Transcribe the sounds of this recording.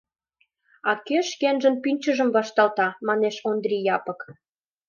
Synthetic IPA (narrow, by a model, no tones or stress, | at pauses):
ɑkeʃkenʒə̆npynʲt͡ɕəʒəmβɑʃt̪ɑlt̪ɑmɑneʃond̪rʲijɑpɤ̆k